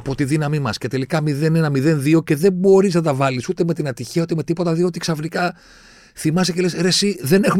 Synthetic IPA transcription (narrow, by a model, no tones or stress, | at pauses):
po̞t̪iðinɐmimɐsce̞t̪e̞likɐmiðe̞ne̞nɐmiðe̞nðio̞ce̞ðe̞bo̞ɾiznɐt̪ɐvɐlisut̪eme̞t̪inɐt̪içiɐut̪eme̞t̪ipo̞t̪ɐðio̞t̪iksɐfnikɐ | θimɐst̪ece̞leseɾesiðe̞ne̞xu